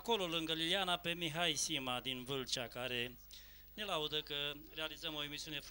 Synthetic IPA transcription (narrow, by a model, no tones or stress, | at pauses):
ko̞lo̞lɨŋɡəlilianape̞miɦajsimad̪invɨlt͡ʃakaɾe̞ | ne̞laud̪əkəre̞alizəmo̞emisiunef